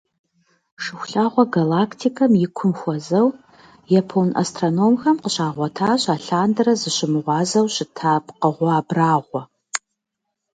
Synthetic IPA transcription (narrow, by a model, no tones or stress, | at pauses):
ʂɨxʷʊɬaːʁʷɔɡalaːkʰtʰikʰɐmjɪkʷʰʊmxʷɔzɐw | jɐpʰownʔa̰stʰʼronomxɐmqəɕaːʁʷɔtʰaːɕaːɬaːndɐɾɐzɨɕɪmɨʁʷɑːzɐwɕɪtʰaːpʰqəʁʷɑːbraːʁʷɔ